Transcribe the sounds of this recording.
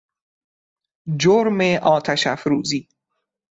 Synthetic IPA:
d͡ʒoɾmeʔɒːt̪ʰæʃæfɾuːziː

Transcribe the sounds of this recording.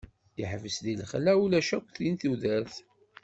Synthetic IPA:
jəħvəsðilχlæwulæʃækʷθinθuðæɾθ

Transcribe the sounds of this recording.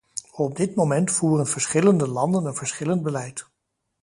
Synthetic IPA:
ɔb̚dɪtmomɛntfuːrənv̥əɹsχɪləndəlɑndənənv̥əɹsχɪlənd̚bəlɛjt

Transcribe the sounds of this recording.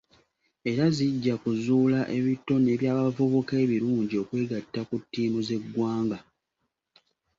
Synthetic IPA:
e̞ɾaziɟːakuzuːlaʔe̞βitːo̞ne̞ːβjaːβavuβuke̞ːβiɾuːɲɟio̞kwe̞ːɡatːakutːiːmuze̞ɡːwaːŋɡa

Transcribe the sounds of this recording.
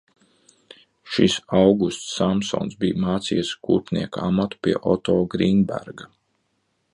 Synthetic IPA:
ʃisawɡust̪sːamsɔ̰nsbijmaːt̪sḭjskuːɾpnʲḭɛkaamat̪u̥pʲiɛʔɔt̪ɔːɡɾinbæ̰ɾɡa

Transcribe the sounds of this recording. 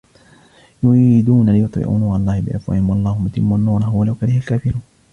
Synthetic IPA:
jʊiːd̪uːnalɪjʊt̪ˤɪ̰ʔṵːnaːɑlˤːɑːhɪbɪʔafwa̰ʔhɪmwɑɑlˤːɑːhʊmʊt̪ɪmːanːuːɾaɦʊwalawkalɪhalkaːfɪɾuːn

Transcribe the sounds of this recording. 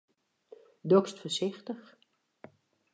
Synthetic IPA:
dokstfəsɪxtəx

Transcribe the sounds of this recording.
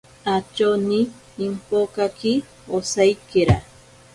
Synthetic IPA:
at͡ʃoniː | mpokaki | osajkeɾa̰

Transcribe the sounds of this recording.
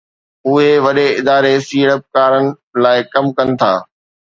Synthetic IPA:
ʊɦeʋɐɗeɪd̪aːɾesiːɽəp̚kaːɾənɪ̆ | laːɪkɐmkɐnɪ̆t̪ʰa̰ː

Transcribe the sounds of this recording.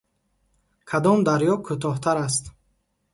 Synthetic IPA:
kʰad̪ɔmd̪aɾjɔkʰut̪ʰɔht̪ʰaɾas̬t̪

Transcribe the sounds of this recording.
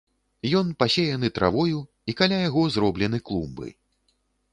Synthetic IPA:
jɔnpasʲejanɨt̪ɾʔa̰vɔju | ikalʲajaɣɔzɾɔblʲɛnɨklˠumbɨ̰

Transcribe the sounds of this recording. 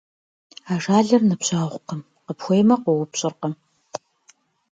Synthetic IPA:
aːʐaːɮɐrnɨpɕaːʁʷqəm | qəpxʷejmɐqʷɔwʊpɕʼɪrqɐm

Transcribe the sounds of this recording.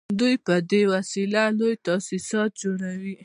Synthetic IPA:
d̪ujpəd̪ewasilalojt̪asisɑt̪̚d͡ʒoɽawi

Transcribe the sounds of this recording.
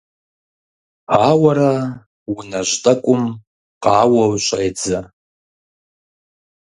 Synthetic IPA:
aːwaɾa | wunaʒʷtʼakʷʼʊm | qaːwawɕʷʼajd͡za

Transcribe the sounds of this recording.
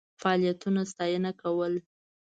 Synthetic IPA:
faɑlijat̪unast̪ɑjənakawəl

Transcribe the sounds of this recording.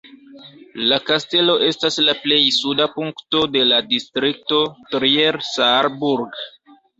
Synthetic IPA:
lakaste̞lo̞ʔe̞staslaple̞jsudapuŋkto̞de̞ladistɾik̚to̞tɾieɾsaɾbuɾɡ

